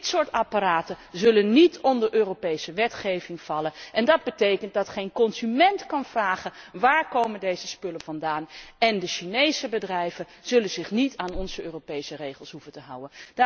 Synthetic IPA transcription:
tsʊːɹtapaɾaːtənzɵlənːitʰɔndəɹʔøːrowpejsəʋɛtχejvɪŋv̥ɑlənʔɛndɑd̚bətejkənt̚dɑtχejnkɔnzymɛntkɑnvraːχənʋaːɹkowməndejzəspɵlənvɑndaːnɛndəʃinejsəbədrɛjvənz̥ɵlənzɪχnitaːnɔnzəøːropejsərejχəlˠsɦufəntəɦʌwənd

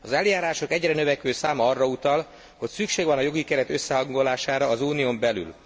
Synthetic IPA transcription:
ɒzɛljaːɾaːʃo̞kɛɟrɛnøvɛkʋøːsaːmɒɒrːɒut̪ɒl | ho̞csykʃeːɡʋɒnɒjo̞ɡikɛɾɛt̪ø̞sːɛɦɒŋɡo̞laːʃaːɾɒːzuːniombɛly̰l

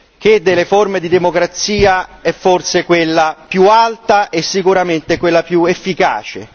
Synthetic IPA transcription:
k̟ed̪ːelːeformed̪id̪emokɾat̪siːaɛfːorsekwelːapjualt̪aʔesːikuɾament̪ekwelːapjuefːika̰ːt͡ʃḛ

